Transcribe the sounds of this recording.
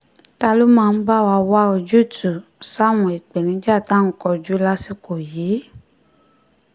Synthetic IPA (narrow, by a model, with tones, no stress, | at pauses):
ta˧lo˦mãː˦˧n̩˦ba˦˨wa˧wa˦o˧d͡ʒu˦˨tu˨sa˦˨w̃ɔ̃˨i˨k͡pe˨nĩ˨˦d͡ʒa˦˨ta˦ŋ̩˦kɔ˧d͡ʒu˨˦la˦si˧ko˨je˨˦